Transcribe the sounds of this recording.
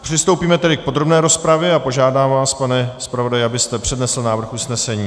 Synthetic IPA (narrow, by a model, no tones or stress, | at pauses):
pr̥ɪst̪owpiːmɛt̪ɛdɪk̚po̞d̪ɾo̞bnɛːɾo̞spɾavjɛapo̞ʒaːdaːmvaːspanɛspɾavo̞dajɛabɪst̪ɛpr̝̥ɛdnɛsl̩naːvr̩xusnɛsɛɲiː